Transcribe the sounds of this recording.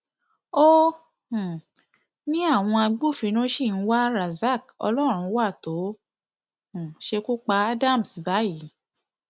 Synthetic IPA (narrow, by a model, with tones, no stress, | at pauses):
o˦ | h | nĩ˦a˦˨w̃ɔ̃˧a˧ɡ͡bu˦˨fi˨˧˦nɔ̃˦ʃi˦˨n̩˦wa˦ɾa˨za˦˨kɔ̰˧lɔ˦ɾ̃ũ˧˦wa˦˨to˨˦ | ũ˨ʃe˧ku˦k͡pa˧a˦da˦˨m̩˨si˨ba˨˦ji˨˦